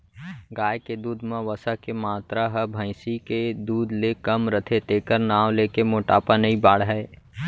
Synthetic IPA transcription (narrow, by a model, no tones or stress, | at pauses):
ɡaːjked̪uːd̪ʱmãʋəsakemaːt̪ɾaɦəbʱə̃ɪ̃siked̪uːd̪ʱlekɐmɾət̪ʰet̪eːkəɾnaːwleːkemoːʈaːpanɐibaːɽɦɛː